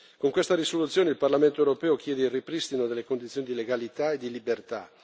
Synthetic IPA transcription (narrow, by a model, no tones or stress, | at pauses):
koŋkwest̪aɾisolut̪sːjoːneilparlament̪oewɾopɛːok̟jɛːd̪eiripɾist̪inod̪elːekond̪it̪joːnid̪ileɡalit̪aed̪ilibert̪a̰